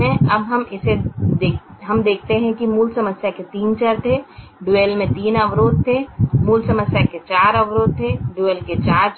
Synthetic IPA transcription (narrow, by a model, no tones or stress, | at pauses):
ẽəbɦəmɪsed̪eɦəmd̪eːkʰt̪eɦɛ̃kimuːlsəməsjaket̪iːnt͡ʃəɾt̪ʰe | ɖuelmẽt̪iːnəʋɾoːd̪̚t̪ʰːemuːlsəməsjaket͡ʃaːɾəʋɾoːd̪̚t̪ʰeɖuelket͡ʃaːɾ